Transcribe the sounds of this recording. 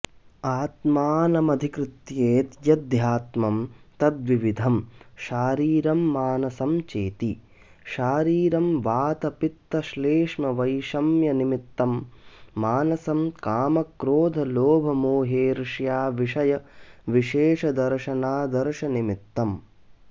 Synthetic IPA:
aːt̪maːnɐmɐd̪ʱikɾɪt̪jeːt̪jɐd̪jaːt̪mɐmt̪ɐd̪ʋiʋid̪ʱɐmʃaːɾiːɾɐmːaːnɐsɐmt͡ʃeːt̪i | ʃaːɾiːɾɐmʋaːt̪ɐpit̪ːɐʃleːʂmɐʋɐjʃɐmjɐnimit̪ːɐmː | aːnɐsɐmkaːmɐkɾoːd̪ʱɐloːbʱɐmoːɦeːɾʂjaːʋiʂɐjɐʋiʃeːʂɐd̪ɐɾʃɐnaːd̪ɐɾʃɐnimit̪ːɐm

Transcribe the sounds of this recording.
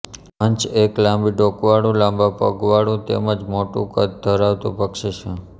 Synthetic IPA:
əɲt͡ʃeklãmbiɖokʋaɽũlãmbapə̰ɡʋaɽũt̪ḛməd͡ʒmoʈṵ̃kət̪̚d̪ʱəɾaʋt̪ṵ̃pəkʃet͡ʃʰe

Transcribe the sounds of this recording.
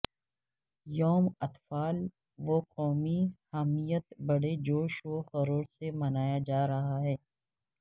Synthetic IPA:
jɔːmɐt̪faːl | ʋoːqɔːmihɛmijət̪bɐɽed͡ʒoːʃoxɐɾoːɾsemɐnaːjad͡ʒaːɾɐɦaɦɛː

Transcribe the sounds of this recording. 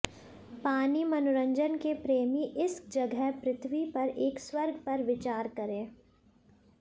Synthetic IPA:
paːnimɐnʊɾə̃ɲd͡ʒənkepɾeːmiʔɪsd͡ʒɐɡʱəpɾɪt̪ʰwipɐɾeːkswɐɾɡʱpɐɾʋɪt͡ʃaːɾkɐɾẽː

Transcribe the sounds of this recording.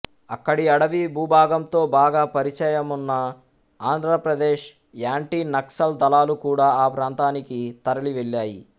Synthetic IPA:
ɐ̰kːɐɽiɐɽɐʋibuːbʱaːɡɐmt̪o̞ːbaːɡaːpɐɾit͡ʃɛːjɐmunːɐ | aːnd̪ʱɾɐpɾɐd̪eːʃ | jaːɳʈiːnɐksɐld̪ɐlaːlukuːɽaːaːpɾaːnt̪aːnikit̪ɐɾɐliʋeɭːaːji

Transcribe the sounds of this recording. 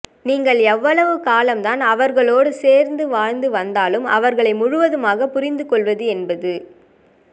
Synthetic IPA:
niːŋɡɐɭɛʋːɐɭɐʋɯkaːlɐmt̪aːnɐʋɐɾɣɐɭoːɽɯseːɾnd̪ɯʋaːɻnd̪ɯʋɐnd̪aːlɯmɐ̰ʋɐɾɣɐɭɐɪmʊɻʊʋɐðɯmaːɣɐpʊɾɪnd̪ɯkɔɭʋɐðɯɛnbɐðɯ

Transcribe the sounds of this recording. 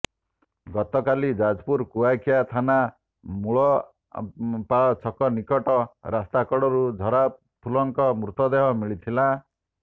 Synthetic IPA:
ɡɔt̪ɔkalid͡ʒad͡ʒpuɾkuwakʰijat̪ʰana | muɭɔ | paɔt͡ʃʰɔkɔnikɔʈɔɾast̪akɔɽɔɾud͡ʒʱɔɾa | pʰulɔŋkɔmɾut̪ɔd̪eɦɔmiɭit̪ʰila

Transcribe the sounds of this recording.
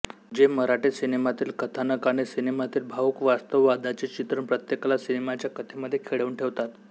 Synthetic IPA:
d͡ʑeməɾaʈesinemat̪iːlkət̪ʰanəkaɽ̃esinemat̪iːlbʱaukʋast̪əʋːad̪at͡ɕit͡ɕit̪ɾəɳpɾət̪jeklasinemat͡ɕjakət̪ʰeməd̪ʱːjekʰeɭəuɳʈʰeʋt̪at̪

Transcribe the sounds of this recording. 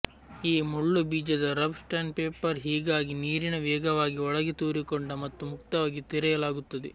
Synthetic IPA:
iːmuɭːubiːd͡ʒɐd̪ɐɾɐbsʈɐnpeːpɐɾɦiːɡaːɡiniːɾinɐʋɛːɡɐʋaːɡiɔɭɐɡet̪uːɾikoɳɖɐmɐt̪ːumukt̪ɐʋaːɡit̪iɾɛjɐlaːɡut̪ːɐd̪e

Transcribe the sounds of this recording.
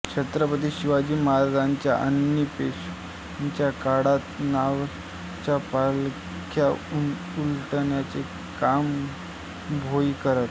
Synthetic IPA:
kɕʰet̪ɾəpət̪̬iːɕiʋad͡ʑiːmaɾd̪ʱaɲt͡ɕjaʔənjəpesu | ɲt͡ɕjakaɽat̪naʋ | t͡ɕapal | kʰja | ulʈɳjat͡se | kam | bʱoikəɾət̪

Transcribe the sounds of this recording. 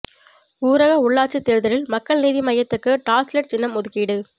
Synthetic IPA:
uːɾɐɣɐʊɭːaːʈt͡ʃːɯt̪ːeːɾɯðɐɾɪlmɐkːɐɭniːðimɐjːɐt̪ːɯkːɯʈaːslɐʈ̚t͡ʃɪnːɐmʊðɯkːiɽɯ

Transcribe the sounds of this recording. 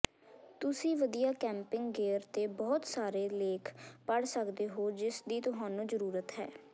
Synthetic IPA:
t̪ʊsĩːʋəd̪ijaːkɛ̃ːmpɪŋɡɡeːɾt̪eːbɔːt̪saːɾeːleːkʰpəɽsəkd̪eːɦoːd͡ʒɪsd̪iːt̪ʊɦaːnũːzəɾuːɾət̪ɦɛ̰ː

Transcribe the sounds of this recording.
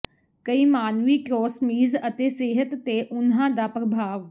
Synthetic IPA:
kəiːmaːnʋiːkɾoːsmiːzət̪eːseːɦət̪ːeːʔʊnɦãːd̪aːpɾəbʱaːʋ

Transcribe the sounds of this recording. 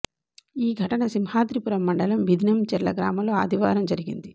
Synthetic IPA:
iːɡʱɐʈɐnɐsimhaːd̪ɾipuɾɐmːɐɳɖɐlɐmʋid̪ʱinɐmt͡ʃɛɾlɐ̰ɡɾa̰ːmɐmloːɐ̰d̪ʱiʋaːɾɐmd͡ʒɐɾiɡind̪i

